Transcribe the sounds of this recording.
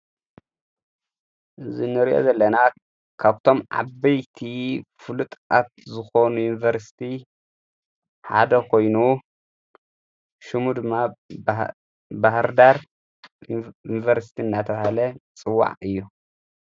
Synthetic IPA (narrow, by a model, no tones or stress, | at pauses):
ʔɨzinɨɾiʔo̰zɐlːɐna | kʰaβt̪ʰo̞mʕa̰bɐjt̪ʰifɨlut̪ʼat̪̚zɨxonujunvɐɾsi̥t̪ʰi | ħa̰d̪ɐkʰo̞jnu | ʃumud̪ɨmːa | bahɾd̪aɾ | junvɐɾsi̥t̪ʰinːat̪ʰɐβahalɐt͡sʼɨwːa̰ʕɨjːu